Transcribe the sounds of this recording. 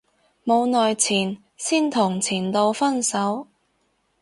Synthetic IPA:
mo˨˧wnɔː˨jt͡sʰiː˨˩n | siː˥nt̪ʰʊ˨˩ŋt͡sʰiː˨˩nt̪o˧wfɐ˥nsɐ˨˥w

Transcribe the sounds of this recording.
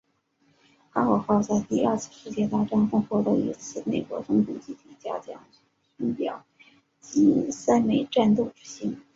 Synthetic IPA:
xa˥xɔ˨˩xɑ˥˧ʊt͡sa˥˧ɪt̪i˥˧ɐ˞˥˧˩t͡sʰɹ̩˥˧ʂɻ̩˥˧t͡ɕjɛ˥˧t̪a˥˧ʈ͡ʂɑ˥nfʊ˥ŋxwɔ˥˩t̪ɤ˧˥ḭ˧˥t͡s̩ʰ˥˩ne˨˩ɪkwɔ̰˧˥t͡sʊ˥ŋt̪u˨˩t͡ɕi˥˩t̪ʰi˨˩t͡ɕja̰˥t͡ɕjɑ̰˥ŋ | ɕi˥npjɑ̰˨˩˦ʊ | t͡ɕi˥sa˥ɪme˧˥ɪʈ͡ʂa˥˧nt̪o˥˩ʊʈ͡ʂɻ̩˥ɕi˥n

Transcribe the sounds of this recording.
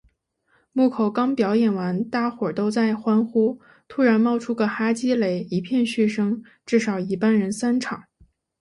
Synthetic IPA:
mu˥˩kʰo˨˧˩ʊkɑ˥ŋpjɑ˧˥ʊjɛ˨˩nwa˧˥nt̪a˥˩xwɔ˨˩t̪o˥ʊt͡sa˥˩ɪxwa˥nxu˥ | t̪ʰu˥ɻa˧˥nmɑ˥˧ʊʈ͡ʂʰu˥ɡə˨xa˥t͡ɕi˥le˧˩ɪi˧˥pʰjɛ˥˧nɕy˥˩ʂɤ˥ŋ | ʈ͡ʂɻ̩˥˩ʂɑ˨˩ʊi˧˥pa˥nɻə˧˥nsa˥nʈ͡ʂʰɑ˨˩˦ŋ

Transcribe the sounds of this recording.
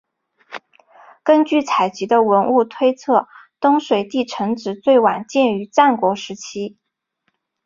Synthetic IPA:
kə˥nt͡ɕy˥˩t͡sʰa˨˩ɪt͡ɕi˧˥d̪ə˧wə˧˥nu˥˩t̪ʰwe˥ɪt͡sʰɤ˥˩t̪ʊ˥ŋʂwe˨˩ɪt̪i˥˩ʈ͡ʂʰɤ˧˥ŋʈ͡ʂɻ̩˨˩t͡swe˥˩ɪwa˨˩nt͡ɕjɛ˥˩ny˧˥ʈ͡ʂa˥˩nkwɔ˧˥ʂɻ̩˧˥t͡ɕʰi˥

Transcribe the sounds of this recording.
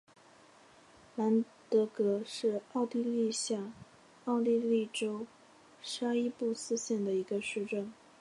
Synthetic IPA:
la˧˥n | t̪ɤ˧˥kɤ˧˥ʂɻ̩˥˧ɑ˥˧ʊt̪i˥˧li˥˧ɕja˥˩ | ɑ˥˧ʊli˥˧li˥˩ʈ͡ʂo˥ʊ | ʂa˥i˥pu˥˩sɹ̩˥ɕjɛ˥˩nd̪ə˩i˧˥ɡə˧ʂɻ̩˥˧ʈ͡ʂə˥˩ŋ

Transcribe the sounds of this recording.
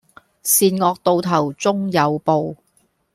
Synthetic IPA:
siː˧nŋɔː˧k̚t̪o˨˧wt̪ʰɐ˨˩wt͡sʊ˥ŋjɐ˨˧wpo˨w

